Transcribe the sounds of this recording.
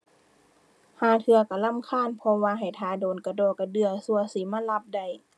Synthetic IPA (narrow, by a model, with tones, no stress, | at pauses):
haː˨˩t̪ʰɯ˧ɐka˧˩la˧˥˨mkʰaː˧˥˨npʰɔ˧waː˧ɦa˨˩jt̪ʰaː˧˦doː˨˩nka˧˩dɔː˧˩kːa˧˩dɯ˧ɐsu˧ɐsiː˨˦maː˧˥˨la˧p̚da˧˩j